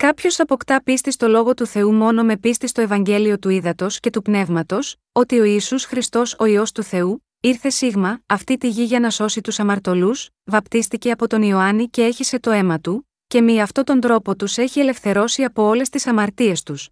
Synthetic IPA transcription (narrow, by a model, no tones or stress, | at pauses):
kɐpço̞sθɐpo̞kt̪ɐpist̪ist̪o̞lo̞ɣo̞t̪uθe̞umo̞no̞me̞pist̪ist̪o̞e̞vɐɲɟe̞lio̞t̪uiðɐt̪o̞sce̞t̪upne̞vmɐt̪o̞s | o̞t̪io̞iːsusxɾist̪o̞so̞io̞st̪uθe̞u | iɾθe̞siɣmɐːft̪it̪iʝiʝɐnɐso̞sit̪usɐmɐɾt̪o̞lus | vɐpt̪ist̪ice̞ɐpo̞t̪o̞nio̞ɐnice̞e̞çise̞t̪o̞e̞mɐt̪u | ce̞miɐft̪o̞t̪o̞nd̪ɾo̞po̞t̪use̞çie̞le̞fθe̞ɾo̞siɐpo̞o̞le̞st̪isɐmɐɾt̪ie̞st̪us